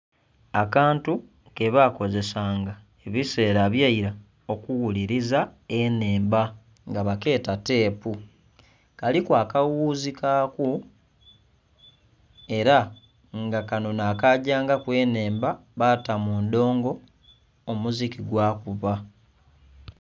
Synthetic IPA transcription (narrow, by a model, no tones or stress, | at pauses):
akaːntu | ke̞βaːko̞ze̞saːŋɡa | eβise̞ːɾaβjaiɾa | o̞kuɣuliɾizaene̞ːmba | ŋɡaβake̞ːtate̞ːpu | kalikwaːkawuːzikaːku | e̞ɾa | ŋɡakano̞naːkaɟaːŋɡakwe̞ːne̞ːmbaβatamuːnd̪o̞ːŋɡo̞ː | muzikiɡwaːkuβa